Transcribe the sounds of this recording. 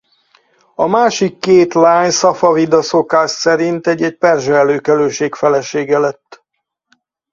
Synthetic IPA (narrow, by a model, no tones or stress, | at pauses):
ɒmaːʃikːeːt̪laːɲsɒfɒvid̪ɒso̞kaːʃsɛɾint̪ɛɟːɛc̚pɛrʒɛløːkɛløːʃeːkfɛlɛʃeːɡɛlɛt̪ː